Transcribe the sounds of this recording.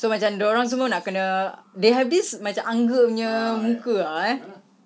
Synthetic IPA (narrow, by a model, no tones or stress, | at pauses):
somat͡ʃamdəoɾaŋs̬əmənaʔkənə̃deɦɛvdismat͡ʃamaŋɡəɲə̃mũkəaɛ